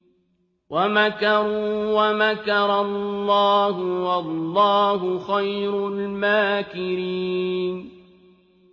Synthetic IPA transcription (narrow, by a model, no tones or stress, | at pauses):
wamakɑɾuːwamakɑɾˤɑlˤːɑːɦʊwɑlːɑːɦʊxajɾʊlmaːkɪɾiːn